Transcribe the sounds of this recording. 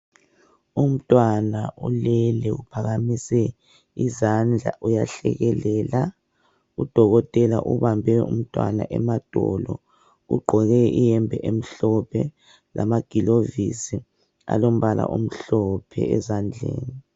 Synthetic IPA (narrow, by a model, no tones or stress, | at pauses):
um̩tʼwanaulɛlɛupʰaɣamisɛ | izand͡ɮʱa̰ʔujaɬɛ̰ɣɛlɛːla | ud̥ʱɔɣɔtʼɛlaʔuβambʱɛṵm̩tʼwana̰ʔɛmad̥ʱɔlɔ | ṵɡ͡ǃʱɔɣɛijɛmbʱɛʔem̩ɬɔpʰɛ | la̰maɡ̥ʱilovisi | a̰lom̩βala̰ʔom̩ɬɔpʰɛɛzand͡ɮʱeːni